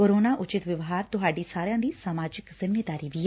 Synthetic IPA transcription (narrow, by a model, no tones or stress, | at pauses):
oːɾoːnaːʔʊt͡ʃɪt̪ʋɪʋɦaːɾt̪ʊɦaːɖiːsaːɾejãːd̪iːsaːmaːd͡ʒɪkzɪmːeːd̪aːɾiːʋiː